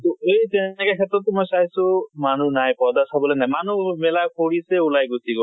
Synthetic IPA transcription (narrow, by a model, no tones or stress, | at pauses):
t̪oejt̪ɛɛkekʰɛt̪ɾɔt̪ːɔmɔjsaɦjsumanunajpɔd̪asʰabɔlenajmanumɛlakʰoɽiseulajɡut̪ikɔ